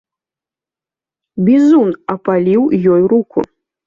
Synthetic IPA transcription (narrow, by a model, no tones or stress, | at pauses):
bʲizunɐpalʲiwjɔjɾukṵ